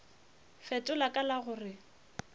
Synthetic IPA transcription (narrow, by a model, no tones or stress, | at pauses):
fɛtʼʊlakʼalaɣʊrɪ